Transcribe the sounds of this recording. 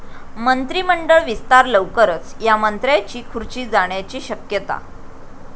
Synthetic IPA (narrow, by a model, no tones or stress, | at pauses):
mənt̪ɾiːməɳɖəɭʋist̪aɾləʋkəɾət͡sjamənt̪ɾjat͡ɕiːkʰuɾt͡ɕiːd͡zaɳ̃jat͡ɕiːɕəkjət̪a̰